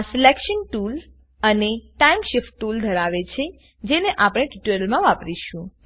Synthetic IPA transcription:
selekʃənʈul | əneʈaimʃɪfʈːuld̪ʱəɾaʋet͡ʃʰe | d͡ʒeneʔapɽ̃eʈiʈuɾəlmãʋapɾiʃũ

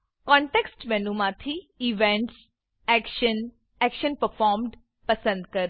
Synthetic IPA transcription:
kɔ̃ːɳʈeːksʈmɛ̃ːnũːmãːt̪ʰi | iʋɛ̃ːɳʈs | ɛːkʃən | ɛːkʃənpəɾfʰaːɾmɖ | pəsə̃nd̪kəɾ

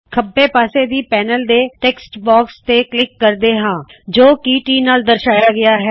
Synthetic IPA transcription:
kʰəbːeːpaːseːd̪iːpɛːnəld̪eːʈɛːksʈbaːkst̪eːklɪkːəɾd̪eːɦãːd͡ʒoːkiːʈiːnaːld̪əɾʃaːjaːɡɪaːɦɛː

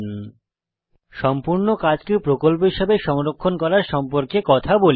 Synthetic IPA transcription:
ʃɔmpuɾnokad͡ʑkewpɾokolp̬oɦiʃebeʃɔŋɾokʰːonkɔɾaɾʃɔmpoɾkekɔt̪ʰabol

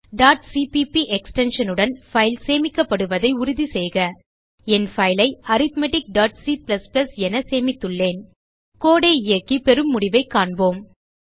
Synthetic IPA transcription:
ɖaːʈsipipiʔɛksʈɛnʂɐnɯɽɐnfɐɪlseːmɪkːɐpːɐɽɯʋɐðɐɪʊɾʊðisɛːjɣɐ | ɛnfɐɪlɐɪɐɾɪt̪mɛʈɪk̚ɖaːʈsiplɐsplɐsɛnɐseːmɪt̪ːɯɭːeːn | koːɽeːɪjɐkːipɛɾɯmːʊɽɪʋɐɪkːaːɳboːm

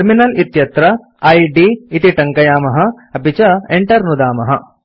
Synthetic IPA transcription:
ɾminɐlit̪jɐt̪ɾɐ | ɐjɖiːt̪iʈɐŋkɐjaːmɐɦɐ̆ | ɐbʱit͡ʃɐeɳʈɐɾnud̪aːmɐɦɐ

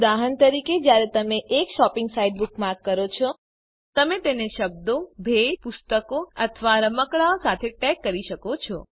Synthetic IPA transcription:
d̪aɦənt̪əɾiked͡ʒjaɾet̪əmeʔekʃɔpɪŋɡsaiɖ̚bukmãkːəɾot͡ʃʰɔ | t̪əmet̪eneʃəb̚d̪obʱejpʊst̪əkoət̪ʰəʋaɾəməkɭaosat̪ʰeʈɛkːəɾiʃəkot͡ʃʰɔ

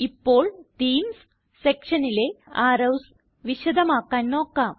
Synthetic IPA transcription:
ipːo̞ːɭʈiːmsː | ekʂɐnileaːɾɐws | ʋiɕɐd̪ɐmaːkːaːnːoːkːaː

